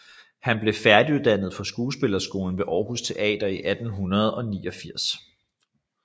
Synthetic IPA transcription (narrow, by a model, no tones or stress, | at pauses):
hænb̥le̝fæɐd̥iuðˠd̥æn̰ð̞̩ˠfɒ̽sɡ̥uːsb̥e̝lɐsɡ̥o̝ːln̩ʋe̝ʔɒːhust͡sʰe̝ʔɛ̰ːd̥ɐiʔæd̥n̩ɦunɐð̞ˠɒ̽nḭːɒ̽fiɐ̰s